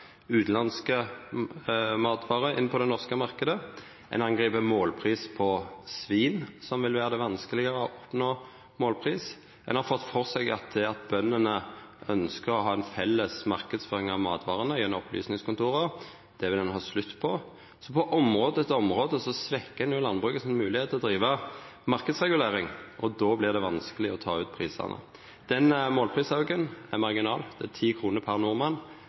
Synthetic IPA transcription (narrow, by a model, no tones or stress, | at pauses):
ʉːt̪nlɑnskə | mɑːt̪ʋɑːʁəɪ̰nːəpʰɔd̪ɛnɔʁskəmɑʁkəd̪ə | ʔɛ̰nɑnɡʁiːpəmoːlpʰʁiːspʰɔsʋiːnsɔmʋɪlʋæːʁəd̪ɛʋɑnskəlɪɡəʁəɔʔɔpnoː | moːlpʰʁiːs | ɛnhɑɾfɔt̪ːfɔʁsɛɡɑ̰t̪̚d̪ɛɑt̪̚bœnːənəœnskəʁɔɦɑːɛnfɛlːəsmɑʁkəd̪sføːʁɪŋɑʋmɑːt̪ʋɑːʁənəjɛnːɔmɔpʰly̰ːsnɪŋskɔnt̪ʰuːʁəʁ | d̪̥ɛʋɪd̪ɛnɦɑslʉt̪ːpʰɔ | sɔpʰɔʔɔmʁɔːd̪əd̪ɛt̪ːɔmʁoːd̪əsɔsʋɛkːəd̪ɛnjʊlɑnbʁʉːkəsɔmɛmʉːlɪheːt̪ʰɛɔd̪ɾiːʋəmɑʁkəd̪sʁɛɡʉleːʁɪŋʔɔd̪oːblɪʁd̪ɛʋɑnskəlɪɔt̪ʰɑːʉːt̪pʰʁiːsɑ̰ʁnə̰ | d̪̥ɛnmoːlpʰʁiːsɑʊɡənæʁmɑʁɡɪnɑ̰ːld̪̥ɛæt̪ʰiːkʰʁuːnəpʰɑʁnʊʁmɑn